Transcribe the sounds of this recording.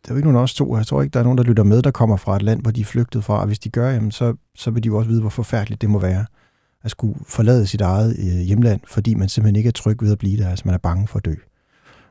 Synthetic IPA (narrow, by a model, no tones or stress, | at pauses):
d̥eæeɡəno̝ːnɒst͡sʰo̝̰ːjat͡sʰʁo̝̰ːeɡ̥əd̥ɑ̈ɐno̝ːnd̥ɑlyɾ̥ɐmeð̞ˠd̥ɑ̈kʰɒ̽m̰ɐfʁɑ̈e̝d̥læn̰ʋɒd̥iæfløɡ̥̚d̥ð̩ˠfʁɑ̈ɒʋe̝sd̥iɡ̥ɶɐjæmənsɒ̽ | sɒ̽ʋe̝dijoɒ̽s̬əʋiːð̞ˠʋɒ̽fɒ̽fæɐ̰d̥lid̥ːe̝mɒ̽ʋæːɐ | æsɡ̥ufɒ̽lɛ̰ːð̩ˠəsid̥ɑ̈ɪð̞̩ˠjeməlæn̰fɒ̽d̥ḭːmænsem̥̩hene̝ɡ̥əæɐt͡sʰʁœɡ̥ʋe̝ð̞ˠæb̥liːd̥eɐælsə̥mænæɐb̥ɑ̈ŋəfɒ̽æd̥ø̰ː